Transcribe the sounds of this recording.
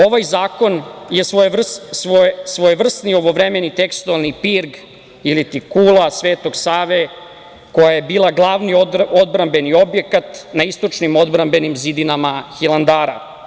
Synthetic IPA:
o̞ʋajzaːko̞njesorsosʋojʋr̩st̪nio̞ʋo̞ʋɾeme̞nit̪ekst̪ualˠnipiɾɡ | ilit̪ikulˠasʋe̞ːt̪o̞ɡsaːʋe | ko̞jaje̞biːlˠaɡlˠaːʋniood̪bɾambe̞nio̞bje̞kat̪naist̪o̞t͡ʃnimo̞d̪bɾambe̞nimzid̪inamaçilˠand̪aːɾa̰

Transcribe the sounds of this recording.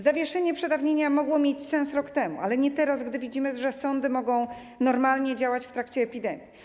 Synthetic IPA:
zavʲjɛʂɛɲɛpʂɛd̪avɲeɲamɔɡwɔmʲjet͡ɕsɛ̃ñsɾɔkt̪ɛmṵalɛɲɛt̪ɛɾazɡd̪ɘvʲid͡ʑimɘʐɛsɔnd̪ɘmɔɡɔ̃w̃ | nɔɾmalɲɛd͡ʑawat͡ɕft̪ɾakt͡ɕɛːpʲid̪ɛmʲji

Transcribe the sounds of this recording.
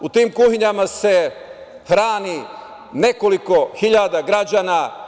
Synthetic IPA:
ut̪iːmkuhiɲamase̞ | hɾaːni | ne̞koliko̞xiʎad̪aɡɾad͡ʒaːna

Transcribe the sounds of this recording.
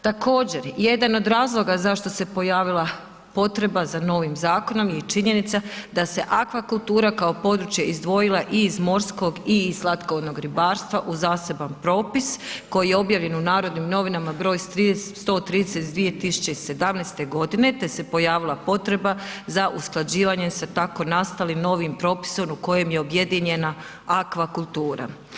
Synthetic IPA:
t̪ako̞ːd͡ʑe̞ɾje̞d̪ano̞d̪ɾaːzlˠo̞ɡazaʃt̪o̞se̞po̞jaːʋilˠa | po̞t̪ɾe̞bazano̞ʋimzaːko̞no̞mjet͡ʃiɲe̞nit̪sad̪ase̞ʔakʋakulˠt̪uːɾakaopo̞d̪ɾut͡ʃjeʔizd̪ʋo̞jilˠaʔiːzmo̞ɾsko̞ɡiːzlˠat̪kood̪no̞ɡɾibaːɾst̪ʋaʔuzaːse̞banpɾo̞ːpisko̞jijeo̞bjaːʋʎe̞nunaːɾod̪nimno̞ʋinamabɾo̞ːjt̪ɾist̪o̞ːt̪ɾiːd̪eset̪d̪ʋije̞t̪isu̥t͡ʃe̞ise̞d̪amneːst̪e̞ɡo̞d̪ine̞t̪e̞se̞po̞jaːʋilˠapo̞t̪ɾe̞bazaʔusklˠad͡ʑiːʋaːɲesat̪ako̞nast̪alimno̞ʋimpɾo̞ːpi̥so̞muko̞je̞mje̞o̞bje̞d̪iɲe̞na | akʋakulˠt̪uːɾa̰

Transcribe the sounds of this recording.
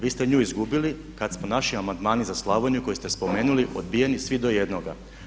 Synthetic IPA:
ʋiːst̪eɲuːizɡubili | kad̪smonaʃiamand̪maːnizaslˠaːʋoɲuko̞jist̪espo̞meːnuliʔod̪̚bijenisʋid̪o̞jed̪noɡa

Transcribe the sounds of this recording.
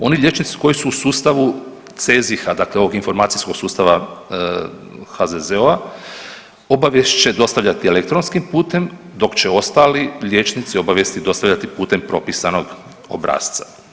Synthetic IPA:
o̞niʎe̞t͡ʃnit̪si̥ko̞jisuːsuːst̪aʋu | t̪sezixad̪aːkle̞o̞ʋo̞ɡinfo̞ɾmaːt̪sisko̞ɡ̥suːst̪aʋa | hazezeoa | o̞baʋje̞st͡ʃe̞d̪o̞st̪aʋʎat̪ielek̚t̪ɾo̞nskimpuːt̪e̞m | d̪o̞kt͡ɕe̞o̞st̪aliʎʲje̞ːt͡ʃnit̪sio̞baʋje̞st̪id̪o̞st̪aʋʎat̪ipuːt̪empɾo̞pisano̞ɡ | o̞̰bɾa̰ːst̪sḁ

